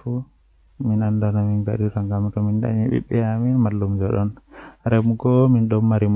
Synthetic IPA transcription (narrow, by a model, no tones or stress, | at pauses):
fu | minandanaminɡaɗiɾaŋɡamtɔminda̰ɲɛɓḭɓːɛaminmalːumd͡ʒɔɗɔnɾɛmuɡɔminɗɔmːaɾim